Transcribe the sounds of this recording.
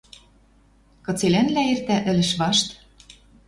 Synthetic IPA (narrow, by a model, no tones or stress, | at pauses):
kɤ̆t͡selænlæert̪æʔɘ̆lɘ̆ʃβɑʃt̪